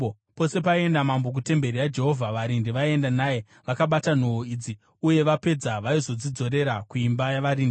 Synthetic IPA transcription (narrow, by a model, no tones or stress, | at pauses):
po̞se̞pae̞ndamambo̞k̬ute̞mbe̞ɾiad͡ʒe̞ɦo̞vʱaʋaɾindiʋae̞ndanaje | ʋakaɓatan̤ooid͡zi | uje̞ʋape̞d͡zaʋaizo̞d͡zid͡zo̞ɾe̞ɾakuimbajaʋaɾiːndii